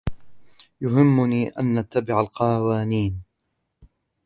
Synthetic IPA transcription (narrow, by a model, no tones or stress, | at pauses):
jʊɦɪmːʊniːʔa̰nʔat̪ːabɪʕalqɑːwaːniːn